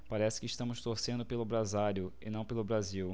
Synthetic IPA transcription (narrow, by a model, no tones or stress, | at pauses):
paɾɛsɪ̥kɪʃt̪ɐ̃mʊʃst̪oɾsẽnd̪ʊpelʊbɾazaɾjʊɪ̰nɐ̃w̃pelʊbɾaziw